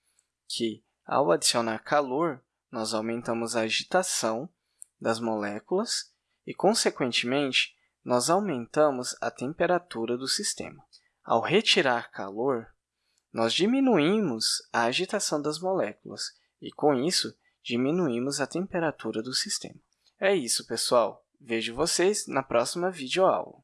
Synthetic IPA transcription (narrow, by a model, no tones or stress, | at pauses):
kʰɪ | a̰wad͡ʒisionaɾkʰaloɾ | nɔzawmẽnt̪ɐ̃mʊzɐːʒit̪asɐ̃w̃ | d̪ɐzmolɛkulɐs | ɪkõsekwẽnt͡ʃɪmẽnt͡ʃɪ̥ | nɔzawmẽnt̪ɐ̃mʊzɐ̰t̪ẽmpeɾat̪uɾɐd̪ʊsist̪ḛ̃mɐ | a̰whet͡ʃiɾaɾkʰa̰loɾ | nɔzd͡ʒimĩnuĩmʊzɐːʒit̪asɐ̃w̃d̪ɐzmolɛkulɐ̰s | ɪ̰kõisʊ | d͡ʒimĩnuĩmʊzɐt̪ẽmpeɾat̪uɾɐd̪ʊsist̪ḛ̃mɐ | ɛisʊpesuaw | veʒʊvoseznɐpɾɔsimɐvid͡ʒoa̰wlɐ̰